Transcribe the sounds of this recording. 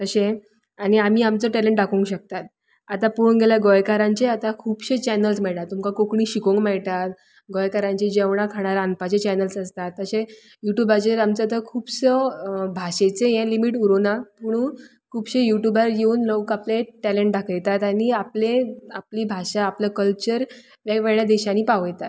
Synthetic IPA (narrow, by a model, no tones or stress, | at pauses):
t̪əɕẽ | aɽ̃iam̤iːamt͡səʈɛleɳʈɖakʰũŋkɕək̚t̪at̪̚ | at̪apuɽnɡelaɡojkaɾãɲt͡ɕeat̪akʰuːbɕet͡ɕɛnəlsmɛɭʈ̪at̪ːumkakokɳiːɕikõŋɡmɛɭt̪at̪ | ɡojkaɾãɲt͡ɕid͡ʑeʋɳ̃akʰaɽ̃aɾanpat͡ɕet͡ɕɛnəlsəst̪at̪ːəɕẽ | juʈjubat͡ɕeɾamt͡sət̪əkʰuːbsəbʱaɕet͡sejɛ̃limiʈuɾonapuɽ̃uː | kʰuːbɕejuʈjubaɾjeunləwkapleʈɛlẽɳʈ̚ɖʱakʰəjt̪at̪añiapleapliːbʱaɕaːpləkəlt͡ɕəɾ | ʋjaʋeɭjad̪eɕaniːpaʋjt̪at̪